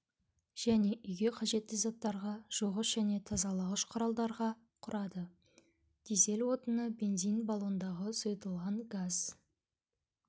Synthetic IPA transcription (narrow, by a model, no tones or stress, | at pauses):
ʒ̥æne̞ʔʏjɡʲe̞qʰɑʒe̞t̪ːɪzɑt̪ːɑɾʁɑʒ̥oʁəʃʒ̥æne̞t̪ʰɑzɑlˠɑʁəʃqʰʊɾɑlˠd̪ɑɾʁɑ | qʰʊɾʔɑd̪ə | d̪̥ese̞lwo̞t̪ənəbe̞nzijnbalˠond̪ɑʁəsojt̪əlˠʁɑɴɡaz̥